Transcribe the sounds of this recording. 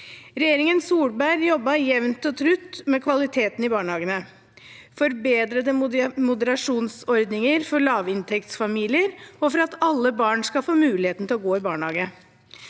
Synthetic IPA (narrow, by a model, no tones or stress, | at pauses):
ɾɛjeːɾɪŋənsuːɽbæɾjɔbːɑjɛʋnt̪ɔt̪ʰɾʉt̪ːmɛkʰʋɑlɪt̪ʰeːt̪n̩ɪbɑːɳəhɑːɡənə | fɔɾbeːd̪ɾəd̪əmʊd̪əɾɑʂuːnsɔɾd̪nɪŋəɾfɔɾɭɑːʋɪnt̪ʰɛkt̪sfɑmiːlɪəɾɔfɔɾɑt̪ɑlːəbɑːɳskɑlfoːmʉːlɪheːt̪n̩t̪ʰɪlɔɡoːɪbɑːɳhɑːɡ̪ə